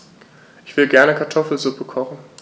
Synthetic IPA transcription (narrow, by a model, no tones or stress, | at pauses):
ʔɪçv̥ɪlɡɛɐnəkʰaɐtʰɔfl̩zʊpəkʰɔχn̩